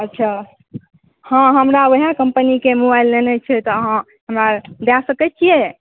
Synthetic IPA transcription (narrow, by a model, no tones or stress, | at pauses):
ətːʃʰa | hãɦəmɾaoɦakəmpənikemobajlːenɛt͡ʃʰɛt̪ɔəɦã | ɦəmɾad̪asəkɛt͡ʃʰije